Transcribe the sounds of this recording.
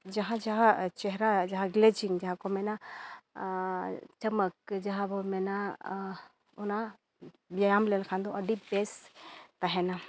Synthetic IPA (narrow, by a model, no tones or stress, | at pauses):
d͡ʒaɦãd͡ʒaɦãt͡ʃɛɦɾad͡ʒaɦãɡlɛd͡ʒiŋd͡ʒaɦãkɔmɛna | t͡ʃɐmək̚d͡ʒaɦãbɔmɛna | ɔna | bjajamlɛlkʰand̪ɔɐɖibɛst̪aɦɛna